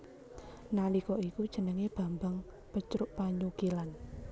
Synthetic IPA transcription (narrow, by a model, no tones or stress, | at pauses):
nalikɔikud̥ʒ̥ə̤nəŋeb̥a̤mbaŋ | pət͡ʃɾʊʔpaɲuɡ̥ilan